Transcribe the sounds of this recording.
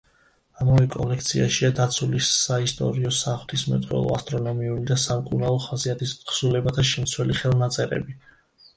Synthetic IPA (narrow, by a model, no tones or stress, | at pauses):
amavɛkʼɔ̰lɛkʰt̪sʰiaʃiad̪at̪sʰulisaist̪ʼɔ̰ɾiɔsaχwt̪ʰismɛ̰t̪ʼχʼwɛ̰lˠɔ̰a̰st̪ʼɾɔnɔmiulid̪asamkʼuɾnaɔχaziat̪ʰisχsulɛbat̪ʰaʃɛmt̪sʰwɛliχɛlˠnat̪sʼɛɾɛ̰bi